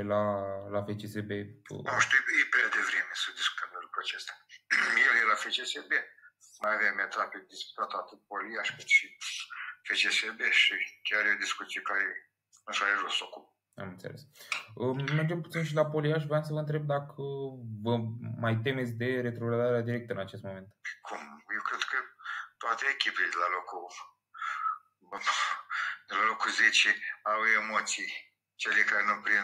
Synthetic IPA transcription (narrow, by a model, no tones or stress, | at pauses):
lalafe̞t͡ʃesebḛoʃt̪ijjepɾead̪evɾemesəd̪isku̥t̪ʰəmd̪elukɾuat͡ʃest̪ajeljelafet͡ʃesebe | majavemet̪aped̪ispu̥t̪at̪oat̪ɨt̪̚polijaʃkɨt̪ʃi | fet͡ʃesebeʃikʲaɾjo̞d̪iskut̪sijekaɾe | nũʃaleʒosokup̚ | a̰mɨnt̪elʔesəmerd͡ʒemput̪inʃilapo̞liaʃ̬vɾeams̬əvəɨnt̪ɾe̞b̚d̪akʰəvəmajt̪e̞me̞t̪sʲd̪e̞ɾet̪ɾoɡɾad̪aɾead̪iɾe̞k̚t̪əɨnat͡ʃest̪̚mo̞me̞nt̪kʰumjewkɾed̪kʰət̪oat̪eːkʲiped̪elalo̞ku | d̪elalo̞kuzet͡ʃiawemot̪sij | t͡ʃelekaɾenupɾin